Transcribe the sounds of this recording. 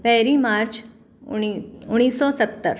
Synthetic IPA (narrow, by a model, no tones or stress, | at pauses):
pɛɦɾimaɾt͡ʃ | uɽ̃iːsːɔsət̪ːəɾ